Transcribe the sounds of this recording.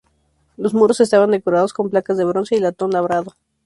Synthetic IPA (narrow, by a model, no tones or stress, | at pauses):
lozmuɾo̞se̞s̬t̪aβand̪e̞koɾaðo̞sko̞mplakazðe̞βɾo̞nse̞ilat̪o̞nlaβɾaðo